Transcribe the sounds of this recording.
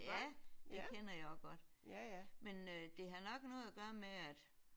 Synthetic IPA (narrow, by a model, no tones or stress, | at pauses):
jæd̥e̝kʰenɐjaɔɡ̥ɒd̥ | mend̥e̝ɦɑ̈nɒ̽ɡ̥nɔ̽ːð̩ˠæɡ̥ɶːɐmeæd̥